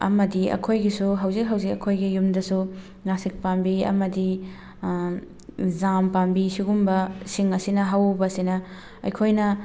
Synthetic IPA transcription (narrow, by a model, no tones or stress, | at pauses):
ɐ̰mɐdiɐ̰kʰojɡisuɦɐwzik̚ɦɐwzik̚ɐkʰojɡijumdɐsu | nasik̚pambiɐ̰mɐdi | zampambisiɡumbɐsiŋɐsinɐɦawbɐːsinɐ | ɐ̰jkʰojnɐ